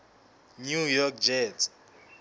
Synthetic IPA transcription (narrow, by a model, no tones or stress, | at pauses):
njujɔkd͡ʒɛt